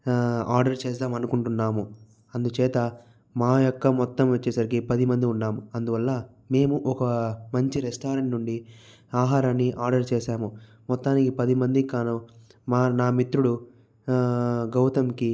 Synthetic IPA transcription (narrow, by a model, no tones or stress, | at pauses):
aːɾɖɐɾt͡ʃeːs̬d̪aːmɐnukuɳʈunːaːmu | ɐnd̪ut͡ʃɛːt̪ɐ | maːjɔkːɐmɔt̪ːɐmʋɐt͡ʃːɛsɐɾikipɐd̪imɐnd̪iunːaːmuɐnd̪uʋɐlːɐ | me̞ːmuʔɔkɐmɐɲt͡ʃiɾesʈaːɾɐɳʈnuɳɖi | aːɦaːɾanːiʔaːɾɖɐɾt͡ʃɛːʃaːmu | mɔt̪ːaːnikipɐd̪imɐnd̪ikaːnumaːnaːmit̪ɾuɽu | ɡɐwt̪ɐmki